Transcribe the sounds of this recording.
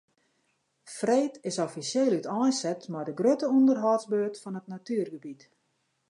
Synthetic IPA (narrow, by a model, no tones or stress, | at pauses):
freːtɪsofisjeːlytɔjsɛtmajdəɡrøtəundərɦɔsbøːtfɔnətnatyərɡəbit